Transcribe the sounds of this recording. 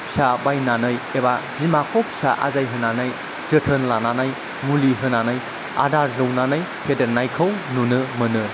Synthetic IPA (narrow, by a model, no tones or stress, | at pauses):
psabajnanɯjebadimakʰɔp̚saʔa̰zajɦɯnanaj | zɯtʰənlananaj | muliɦɯnanaj | a̰daɾːɯwnanaj | hʰedeɾnajkʰɯwnunɯmɯnɯ